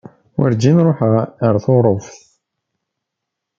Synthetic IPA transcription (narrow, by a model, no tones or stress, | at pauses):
wə̰ɾd͡ʒinɾˤoħʁəɾθoɾˤofθ